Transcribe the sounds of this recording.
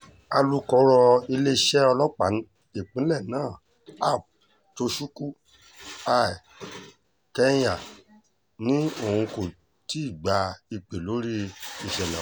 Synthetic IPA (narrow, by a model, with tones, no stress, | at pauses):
a˧lu˦kɔ˧˦ɾɔ˧i˧le˦ʃɛ˦ɔ˧lɔ˦k͡pa˨˦n | e˨k͡pĩ˨˦lɛ˦˨nãː˦˨ | a˦˨p̚ | to˧ʃu˦ku˦ | a˨i˨ | kɛ˦j̃a˨ | nĩ˦o˦˨hũ˧ko˨ | ti˦i˦˨ɡ͡ba˧˦i˧k͡pe˨lo˨˦ɾi˦i˧˨ʃɛ˨nã˨